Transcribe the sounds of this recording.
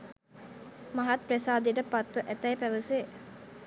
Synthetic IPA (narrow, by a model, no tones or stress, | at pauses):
mɐɦat̪̚presaːd̪iʈəpat̪ʋuʔæt̪ɐjpæʋəse